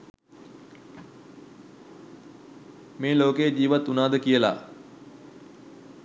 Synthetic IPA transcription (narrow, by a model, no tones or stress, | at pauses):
meːloːkejd͡ʑiːʋat̪ːunaːd̪əkijəla̰